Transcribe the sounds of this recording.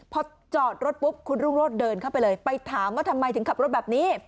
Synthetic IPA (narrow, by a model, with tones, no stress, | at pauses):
pʰɔː˧ | t͡ɕɔː˨˩t̪̚ɾo˦˥t̪̚pu˦˥p̚kʰu˧nɾuː˥˩ŋɾoː˥˩t̪̚dɤː˧nkʰa˥˩wpa˧jlɤː˧jpa˧jt̪ʰaː˩˦mwaː˥˩t̪ʰa˧mːa˧jt̪ɯ˩˦ka˨˩pɾo˦˥bɛː˨˩p̚niː˦˥